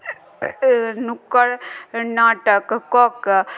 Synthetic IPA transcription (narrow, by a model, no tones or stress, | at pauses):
nukːəɽnaːʈəkkːok